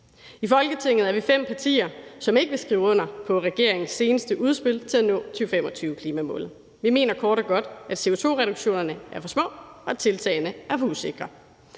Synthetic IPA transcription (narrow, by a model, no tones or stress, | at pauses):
ifɒ̽lɡ̥ət͡sʰe̝ŋ̰ð̩ˠæɐʋifem̰pʰɑ̈t͡sʰḭːɐsɒ̽me̝ɡ̥əʋe̝sɡ̥ʁiːʊɔ̽n̰ɐpʰɒ̽ʁɛɡ̥e̝ɐ̰e̝ŋn̩sːe̝ːnəsd̥əʔuð̞ˠsb̥e̝lt͡sʰe̝lænɔ̰̽ːt͡sʰyːʊfem̰ɒ̽t͡sʰyːʊkʰliːmæmɔ̰̽ːlð̩ˠ | ʋime̝ːnɐkʰɒːɾ̥ɒ̽ɡ̥ɒ̽d̥æd̥se̝o̝t͡sʰo̝̰ːʁɛɾ̥uɡ̥ɕo̝̰ːnɐnəæɐfɒ̽smɔ̰̽ːɒ̽æt͡sʰe̝lt͡sʰɛɪnəæɐfuse̝ɡ̥ʁɐ